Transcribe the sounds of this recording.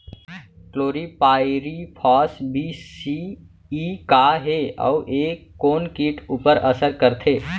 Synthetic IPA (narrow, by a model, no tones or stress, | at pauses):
kloːɾipaːɪɾipʰɔːsbʱiːsi | iːkaɦeːɔ̰ːʔeːkːoːnkiːʈuːpəɾɐsəɾkəɾt̪ʰeː